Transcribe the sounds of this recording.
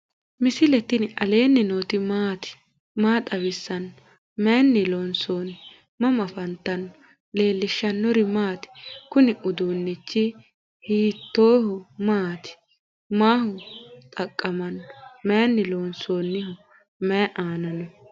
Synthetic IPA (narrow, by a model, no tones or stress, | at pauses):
mɪsɪlɛt̪ːɪnɪʔɐle̞ːnːɪnoːt̪ɪmaːt̪ɪ̥ | maːt̪ʼɐβɪsːɐnɔ | mɛːnːɪloːnsoːnɪ | mɐmɐfɐnt̪ːɐnɔ | le̞ːlːɪʃːɐnːɔɾɪmaːt̪ɪ̥kʊnɪʔʊd̪uːnːɪt͡ʃːɪ | hiːt̪ːoːhʊmaːt̪ɪ̥ | maːhʊt̪ʼɐkʼːɐmɐnɔmeːnːɪloːnsoːnːɪhʊ | mɛʔaːnɐnɔ